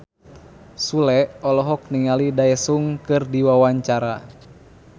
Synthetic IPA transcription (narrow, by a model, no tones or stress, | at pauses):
sulɛʔɔlɔɦɔk̚niŋalidaɛsuŋkɨrdiwawaɲt͡ʃaɾa̰